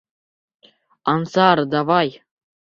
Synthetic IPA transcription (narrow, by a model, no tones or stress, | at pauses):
ɑnsɑɾd̪ɑvɑj